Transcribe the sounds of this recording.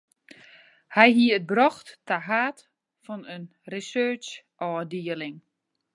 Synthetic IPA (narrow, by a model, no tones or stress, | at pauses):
hɛjɦiəət̚brɔxtːaɦaːt | fɔnən | risøːt͡ʃ | ʔɔːdiəlɪŋ